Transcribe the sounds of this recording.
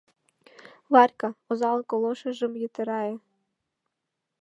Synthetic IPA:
ʋɑɾʲkɐɔzɑlˠkɔlˠɔʃɪʒɪmjit̪ɪɾɑjɛ

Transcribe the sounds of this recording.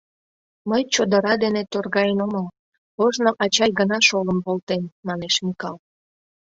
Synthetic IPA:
məjt͡ɕod̪əɾɑd̪enet̪orɣɑjenoməl | oʒnoʔɑt͡ɕɑjɡənɑʃoləmpolt̪enːɑneʃmikɑl

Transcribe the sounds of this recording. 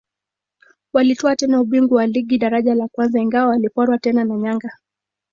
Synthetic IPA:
walitɔatɛnauɓiŋɡuwaliɡiɗaɾaʄalakwanzaiŋɡawawalipɔɾwatɛnanaɲaŋɡa

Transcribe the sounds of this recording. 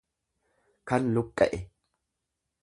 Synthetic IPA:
kɐnlʊkʼːɐ̰ʔɛ

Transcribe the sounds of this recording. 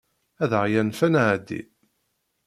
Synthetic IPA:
æðʁjænfænʕæd̪ːḭ

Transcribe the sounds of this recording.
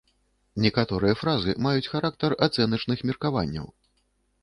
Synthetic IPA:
nʲɛkat̪ɔɾɨjɐfɾazɨmajut͡sʲxaɾak̚t̪ɐrat̪sɛnɐt͡ʂnɨxmʲirkavanʲːɐ̰w

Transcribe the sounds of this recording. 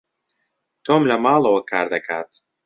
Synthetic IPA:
t̪oːmlɐmaːlˠɐwɐkʰaːɾd̪ɐkʰa̰ːt̪

